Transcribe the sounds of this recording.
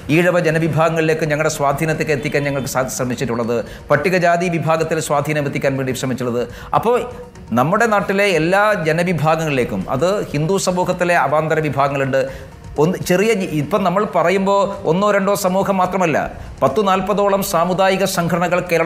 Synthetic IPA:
iːɻɐʋɐd͡ʑenɐʋibʱaːɡɐŋːɐɭile̞ːkːumɲɐŋːɨɽe̞swaːd̪ʱiːnɐt̪ːekːet̪ːikʲːaːnɲɐŋːɐɭkɨ̥saːɕrɐmit͡ɕːiʈːuɭːɐðɨ | pɐtːiɣɐd͡ʑaːðiʋibʱaːɡɐt̪ːilswaːd̪ʱiːnɐmet̪ːikʲːaːnʋeːɳɖiɕrɐmit͡ɕːuɭːɐðɨ | ɐ̰pːoː | nɐmːuɽe̞naːʈːile̞ːlːaːd͡ʑenɐʋibʱaːɡɐŋɐɭile̞ːkʲːumɐ̰ðɨhind̪usɐmuːɦɐt̪ːile̞ɐbaːnd̪ɐɾɐʋibʱaːɡɐŋːɐɭuɳɖɨ | ont͡ɕe̞rijɐipːɐnɐmːɐɭpɐrɐjumbo̞ːo̰nːoɾeɳɖoːsɐmuːɦɐmːaːt̪rɐmɐlːɐ̰ | pɐt̪ːɨnaːlpɐðoːɭɐmsaːmud̪aːjiɣɐsɐŋɡʰʱɐɽɐɳɐɣɐɭke̞ːɾɐɭ

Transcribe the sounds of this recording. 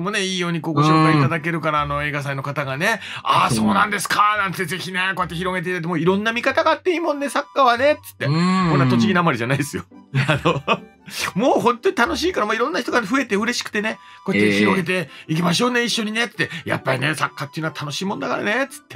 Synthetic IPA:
mo̞ne̞iːjo̞ːɲ̟iko̞ːɡo̞ɕoːkait̪ad̪ak̬e̞ɾɯ̟kaɾaːno̞e̞ːɡas̬aino̞kat̪aɡane̞ | aːso̞ːnãnd̪e̞sɨ̥kanãnt̪ːeze̞çʲine̞ko̞jat̪ːeçiɾo̞ɡe̞t̪eit̪at̪̬ːemoːiɾõ̞nːamʲikat̪aɡaːt̪ːe̞iːmõ̞nːe̞sakːaβane̞t͡sɨ̥t̪ːekonːat̪ot͡ɕiɡʲinamaɾʲiʑanaid̪esɨjo̞ano̞ | moːɦõ̞nt̪o̞ɲit̪ano̞ɕ̬iːkaɾamoiɾõ̞nːaçi̥t̪oaɸɯ̟e̞t̪e̞ɯ̟ɾe̞ɕi̥kɯ̟̥t̪e̞ne̞ko̞ːjatt̪ːeçiɾo̞ɡe̞t̪̬e̞ik̬ʲimaɕo̞ːne̞iɕːo̞ɲ̟ine̞t͡sɨ̥t̪ːeja̰pːaɾʲine̞sakːat̪ːejɯ̟noat̪ano̞ɕiːmõ̞nd̪akaɾa̰ne̞t͡sɨ̥t̪ːe̞̥

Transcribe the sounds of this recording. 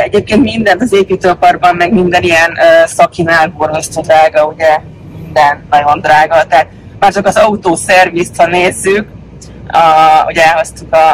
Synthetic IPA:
ɛɟeːp̚keːnt̪mind̪ɛnt̪ɒzeːpyt̪øːpɒrbɒmːɛɡmind̪ɛnijɛnøsɒkinaːlborɡ̪oʃt̪ɔd̪raːɡɒuɟɛ | mind̪ɛnnːɒɟo̞nd̪raːɡɒt̪ɛɦat̪̚ | maːrt͡ʃɒkɒzɒut̪oːsɛrvist̪hɒneːzːyk | ɒo̰ɟɛlɦo̞st̪ukɒ

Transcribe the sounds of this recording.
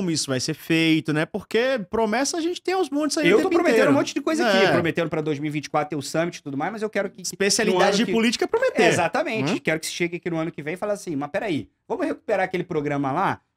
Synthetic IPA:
õmʊisʊvajseɾfejt̪ʊnɛpoɾkepɾomɛsɐːʒẽnt͡ʃɪ̥t̪ẽj̃ʊ̃zmõnt̪ʊzaiewt̪opɾomet̪ẽd̪ũmõt͡ʃɪd͡ʒɪkojzakipɾomet̪ẽnd̪ʊpɾɐd̪ojzmiwivĩnt͡ʃɪ̥kwat̪ɾʊt̪eʊsɐ̃mɪt͡ʃɪ̥t̪ud̪ʊmajzmɐzewkɛɾʊkɪspesialid̪ad͡ʒɪzd͡ʒɪpʊlit͡ʃi̥kɐpɾomet̪ezat̪ɐmẽnt͡ʃɪɪkɛɾʊkɪ̥sɪ̥ʃeɡɪakinʊɐ̃nʊkɪvẽj̃ɪfalaasĩmɐpɛɾai | vɐ̃mʊheku̥peɾaɐkelɪpɾoɡɾɐ̃mɐla

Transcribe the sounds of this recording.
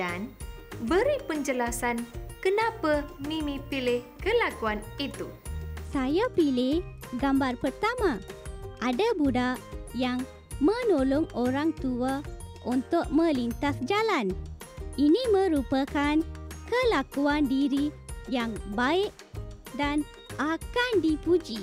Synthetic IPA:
anbəɾipəɲd͡ʒəlasankənapənimipilɪhkəlakuanit̪usajapilɪhɡambarpərt̪amaʔadabudaʔjaŋ | mənolɔŋoɾaŋt̪uaʔunt̪uʔ̚mə̃lint̪asd͡ʒalan | iniməɾupakankəlakuandiɾijaŋbaɪʔ | dan | akandipud͡ʒi

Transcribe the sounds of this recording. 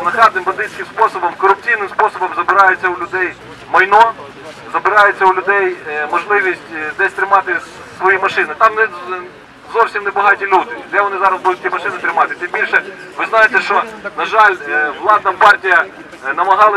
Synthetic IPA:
nɐxɑt̪nɪmbɐd̪ɪsʲkʲɪmspɔsɔbɔmkɔɾʊp̚t͡sʲijnɪmspɔsɔbɔmzɐbɪɾɑjʊt͡sʲːɐʊlʲʊd̪ɛj | mɐjnɔ | zɐbɪɾɑjʊt͡sʲːɐʊlʲʊd̪ɛjmɔʒlˠɪʋʲisʲtʲd̪ɛsʲt̪ɾɪmɑt̪ɪ | sʋɔjimɐʃɪnɪt̪ɑmnɛ | zɔwsʲimnɛbɐɦɑtʲilʲud̪ɪd̪ɛʋɔnɪzɑɾɐzbud̪ʊt̚ʲtʲimɐʃɪnɪt̪ɾɪmɑt̪ɪt̪ɪmbʲilʲʃɛ | ʋɪznɑjɪt̪ɛʃt͡ʃɔnɐʒɑlʲʋlˠɑd̪nɐpɑrtʲijɐ | nɐmɐɦɑlˠɪ

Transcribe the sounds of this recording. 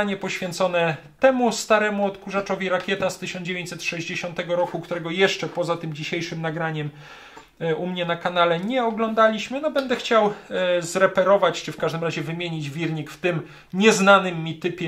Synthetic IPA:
aɲɛpɔɕfʲjɛnt̪sɔnɛ | t̪ɛmust̪aɾɛmuɔt̪kuʐat͡ʂɔvʲiɾakʲjɛt̪ast̪ɘɕɔnd͡ʑevʲeɲt͡ɕ̪ʲsɛt̪ʂɛʑd͡ʑeɕɔ̃nt̪ɛɡɔɾɔkukt̪uɾɛɡɔjɛʂt͡ʂɛpɔzat̪ɘmd͡ʑiɕejʂɘmnaɡɾaɲɛm | umɲɛnakanalɛɲɛɔɡlɔnd̪alʲiɕmɘnɔbɛnd̪ɛxt͡ɕawzɾɛpɛɾɔvat͡ɕt͡ʂɘfkaʐd̪ɘmɾaʑɛvɘmʲjeɲid͡ʑvʲiɾɲikft̪ɘm | ɲɛznanɘmʲːit̪ɘpʲjɛ

